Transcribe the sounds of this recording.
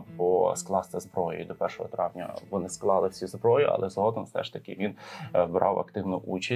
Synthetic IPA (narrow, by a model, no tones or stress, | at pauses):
pɔsklˠɑst̪ɛzbɾɔjʊ̰jid̪ɔpɛrʃɔɦɔt̪ɾɑʋnʲɐ̰ʋɔnɪsklˠɑlˠɪwsʲizbɾɔjiʔɐ̰lʔɛzɦɔd̪ɔmsɛ̰ʃt̪ɐkʲɪʋʲinbɾʔɑ̰wɐ̰kt̪ɪwnʊʔut͡ʃɐ